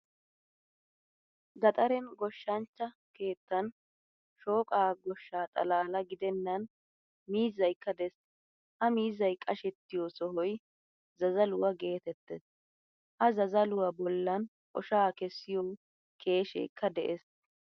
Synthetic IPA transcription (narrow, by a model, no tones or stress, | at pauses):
ɡɐt̪ʼɐɾɛnɡɔʃːɐnt͡ʃːɐ | ke̞ːt̪ːɐn | ʃo̞ːkʼaːɡɔʃːaːt̪ʼɐ̰laːlɐɡɪd̪ɛnːɐn | miːzɐjkːɐd̪ɛs | ʔɐmiːzːɐjkʼɐʃɛt̪ːɪjɔsɔɦɔj | zɐzɐlʊwɐɡe̞ːt̪ɛt̪ːɛs | ʔɐzɐzɐlʊwɐbɔlːɐn | ʔɔʃaːkɛsːɪjɔw | kʰe̞ːʃɛ̰kːɐd̪ɛʔes